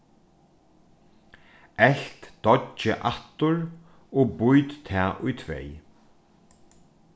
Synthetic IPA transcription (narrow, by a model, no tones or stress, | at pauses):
ɛɬt̪d̪̥ɔt͡ʃːɪʔat̪ʊɹ | ɔɣbʊjt̪t̪ʰɛːʔʊjt̪ʰvḛj